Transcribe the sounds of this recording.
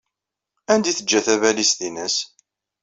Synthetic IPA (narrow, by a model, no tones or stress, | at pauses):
ænd̪iθəd͡ʒːæθævælist̪inəs